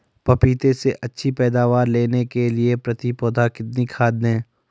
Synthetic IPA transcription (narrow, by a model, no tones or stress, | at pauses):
pɐpiːt̪eseʔɐtːʃʰipɛːd̪aːʋaːɾleːnekeliepɾɐt̪ipɔːd̪ʱakɪt̪nikʰaːd̪nẽː